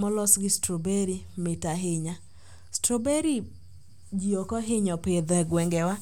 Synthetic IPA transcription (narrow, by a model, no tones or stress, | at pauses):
mɔlɔsɡɪstɾobeɾi | mɪtaɦɪɲa | stɾobeɾi | d͡ʒiokɔɦɪɲɔped̪ɛɡwɛŋɡɛwa